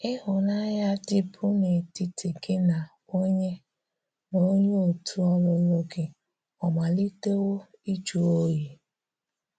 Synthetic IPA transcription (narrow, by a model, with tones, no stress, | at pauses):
ɪ˦ɦʊ˨na˦ɲa˦dɪ˦pʊ˦ne˨ti˨tʰɪ˨ɡe˦na˨ | o˦ɲe˦ | no˦ɲe˦o˨tʰu˦ɔ˦lʊ˨lo˦ɡɪ˦ | ɔ˨ma˨li˦te˦wo˦i˦t͡ʃu˨o˦ji˨